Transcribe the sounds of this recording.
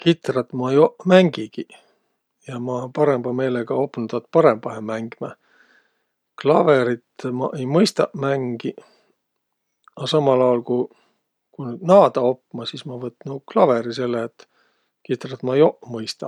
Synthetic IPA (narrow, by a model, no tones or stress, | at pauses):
kit̪ˑrɑt̪mɑejoʔmæŋɡ̥iɡ̥i | jɑmɑnpɑɾe̞mb̥ɑme̞ːleɡ̥ɑo̞pːˑnud̪ɑt̪̚pɑɾe̞mb̥ɑhemæŋɡ̥imɑ | klɑve̞ɾit̪mɑʔejmɤjst̪ɑmæŋɡ̥i | ɑsɑmɑlɑjɑlkuj | kunyd̪nɑːd̪̥ɑo̞pːmɑsismɑvɤt̪ːnuklɑve̞ɾise̞lːeːt̪ː | kit̪ˑrɑt̪mɑejoʔmɤjst̪ɑ̰